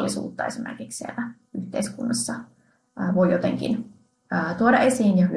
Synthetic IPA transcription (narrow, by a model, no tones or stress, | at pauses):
lːisṵːt̪ːɑesimḛrkikssielːæ | yht̪eiskunːɑsːɑː | ʋo̞jjot̪ḛŋkḭn | əːt̪uodɑʔe̞siːnjɑhy